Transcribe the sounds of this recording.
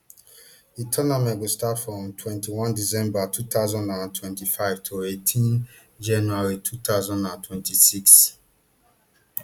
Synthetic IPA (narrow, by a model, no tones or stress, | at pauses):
itʰɔnamɛ̃ɡostatfɹɔ̃mtʰwɛ̃ntiwɔ̃ndizɛ̃mbatʰut̪aʊzɔ̃ndãntʰwɛ̃ntifaɪvtʰoetʰĩn | d͡ʒãnuaɹitʰut̪aʊzɔ̃ndãntʰwɛ̃ntisiks